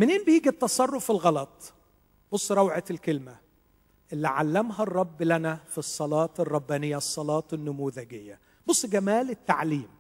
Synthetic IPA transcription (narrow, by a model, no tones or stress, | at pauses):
mɪnʔeːnbɪjiːɡit̪ːɑsˤɑrˤːofɪlɣɑlɑt̪ˤ | b̥osˤːɾˤɑwʕalkɪlmæ | ʔɪlːiʕalːæmɦɑrˤːɑbːlænæfisˤːɑlɑːt̪ɪrˤːɑbːæːnɪjːæsˤːɑlɑːt̪ˤɪnːʊmuːðæɡɪjːæ | bosˤːɡæmæːlɪt̪ːaʕliːm